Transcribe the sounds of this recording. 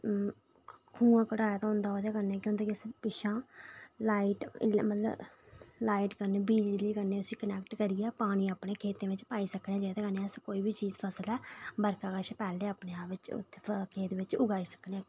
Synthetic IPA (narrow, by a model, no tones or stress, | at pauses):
kʰũːãːkəɽaːjat̪aːɦʊ̃ːnd̪aːɦoːd̪jaːkəɾneɛːkjõːt̪eːkɪspɪʃãːlaːiʈmət̪lə̰blaːiʈkəɾneːbiːlliːkəɾneːʊsĩːkənɛːkʈkəɾijɛːpaːɽ̃ĩːaːpɽeːkʰeːt̪ẽːʋɪt͡ʃpaːiːsəknẽːd͡ʒeːt̪eːkəneɛːəskoːiːbʱiːt͡ʃiːzpʰəsəlɛːbəɾkaːkəʃpɛːleːəːpneːaːpʋɪt͡ʃt̪ʰːekʰeːt̪ẽʋɪt͡ʃʊɡaːiːsə̥kne